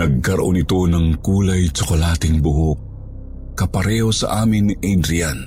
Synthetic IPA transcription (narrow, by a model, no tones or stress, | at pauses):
nɐɡ̚kɐɾʔonɪt̪onɐŋkuːlajt͡ʃʊkolaːt̪ɪŋbʊɦok̚ | kːɐpɐɾɛːhosɐ̰ʔaːmɪnʔɛjd̪ɾian